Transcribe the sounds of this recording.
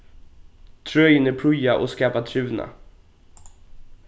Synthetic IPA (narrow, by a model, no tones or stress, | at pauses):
t̪ʰɾœjənɛpʰɾɵjaʔɔ̰skaːpat̪ʰɾʉ̟ːna̰